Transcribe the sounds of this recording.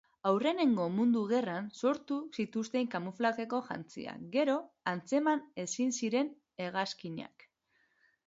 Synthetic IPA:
awre̞ne̞ŋɡo̞mund̪uɣe̞ranso̞ɾt̪usit̪ust̪e̞ŋkamuflake̞ko̞ʝa̰nt͡sḭa̰ɡe̞ɾo̞ | ant͡se̞mane̞sinsiɾe̞n | e̞ɣaskiɲa̰k

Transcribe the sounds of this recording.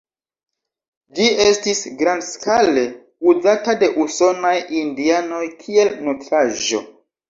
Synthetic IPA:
d͡ʒiestisɡɾandskalle̞ | uzatade̞ʔuso̞najindiano̞jkʰie̞lnotɾaʒo̞̰

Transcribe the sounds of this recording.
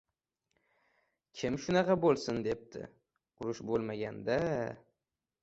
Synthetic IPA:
kʲʰɪmʃʊnɑqʰɑbolˠsɪnd̪e̞p̚t̪ʰɪ̰ | ʊɾʊʃbolˠmaɡʲand̪a

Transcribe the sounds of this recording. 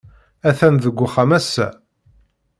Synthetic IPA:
æθænðəɡʷːʊχæmæsːæ̰

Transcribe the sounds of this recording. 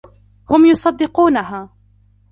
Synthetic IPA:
hʊmjʊsˤɑd̪ːɪquːnaɦaː

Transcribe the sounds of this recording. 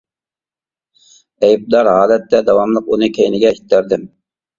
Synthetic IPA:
ɛjb̚d̪ɑɾɦɑːlɛt̪ːɛd̪ɑwɑmlˠəqunɨkʲʰɛjnɪɡʲɛhi̥t̪ːæɾd̪ɪm

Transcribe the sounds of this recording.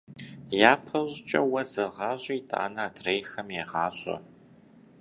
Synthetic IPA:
jaːpʰɐʑt͡ʃʼɐwɐzɐʁɑːʑʼiitʼa̰ːnɐːdrejxɐmjeʁɑːɕʼɐ̰

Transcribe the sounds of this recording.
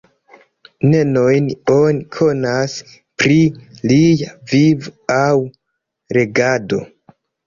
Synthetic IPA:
ne̞no̞jnonikʰo̞nas | pɾilijavivaw | ɾe̞ɡado̞̰

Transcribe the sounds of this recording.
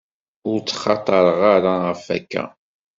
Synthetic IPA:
ʊɾt͡sːχɑt̪ˤəɾˤʁaɾaʁəfæ̰kːæ̰

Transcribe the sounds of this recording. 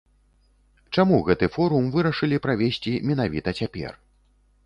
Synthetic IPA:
t͡ʂamuɣɛt̪ɨfɔɾumvɨɾɐʂɨlʲipɾavʲesʲt͡sʲimʲɛnavʲit̪ɐt͡sʲapʲɛ̰r

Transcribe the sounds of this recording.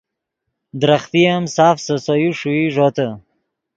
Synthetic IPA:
d̪ɾaχt̪ijamsaːfsəsojuʂuiʐot̪ə

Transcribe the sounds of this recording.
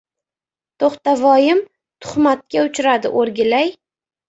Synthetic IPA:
t̪ʰoχt̪avɒjɪm | t̪ʰʊ̥χmat̪̚kʲaʊt͡ʃʰɾad̪ɪ̰ʔoɾɡʲɪlaj

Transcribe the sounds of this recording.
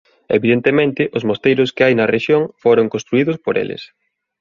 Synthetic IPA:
ḛβiðent̪emẽnt̪ɪʔʊzmost̪ejɾʊskɪajnɐreʃjoŋfoɾoŋkõnst̪ɾuiðʊspoɾḛlɪ̰s

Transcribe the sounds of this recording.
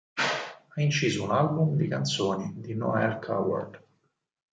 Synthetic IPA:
aint͡ʃiːzounalbumd̪ikant̪soːnid̪inɔ̰ɛlkʰa̰wa̰rd̪

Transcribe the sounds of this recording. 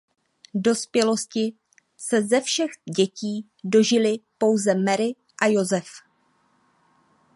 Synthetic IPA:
do̞spjɛlo̞scɪ | sɛzɛfʃɛɣɟɛciː | do̞ʒɪlɪpo̞wzɛmɛɾɪ | ʔajo̞zɛf

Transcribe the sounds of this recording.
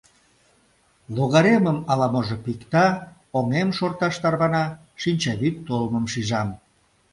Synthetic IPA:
loɣɑɾeməmɑlɑmoʒopikt̪ɑ | oŋemʃort̪ɑʃt̪ɑrβɑnɑ | ʃinʲt͡ɕɑβyt̪ːolməmʃiʒɑm

